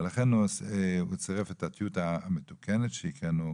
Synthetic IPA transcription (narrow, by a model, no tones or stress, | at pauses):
laχenusut͡seʁefetat̪jutametukʰenetʃeikʁenu